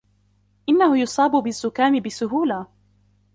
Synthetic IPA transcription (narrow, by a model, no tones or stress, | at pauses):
ʔɪnːahʊjʊsˤɑːbʊbɪzːʊkaːmɪbɪsʊɦuːlaː